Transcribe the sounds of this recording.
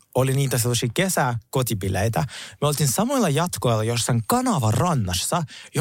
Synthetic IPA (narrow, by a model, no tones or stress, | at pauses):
oliniːt̪æselːɑsiːkesækot̪ipilejt̪æmyolt̪insɑmoilːɑjɑt̪koilːɑjosːɑŋkɑnɑʋɑrrɑnːɑsːɑj